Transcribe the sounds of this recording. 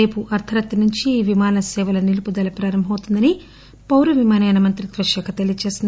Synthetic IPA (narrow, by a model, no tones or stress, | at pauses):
e̞ːpuʔɐɾt̪ʰɐɾɐt̪ːɐnuɲt͡ʃiːʋimaːnɐsɛːʋɐlɐnilupud̪ɐlɐpɾaːɾɐmbʱɐmɐwt̪und̪ɐni | pɐwɾuʋimaːnɐjnɐmɐnt̪ɾit̪ʋɐʃɐkʰɐt̪elijɐt͡ʃeːsind̪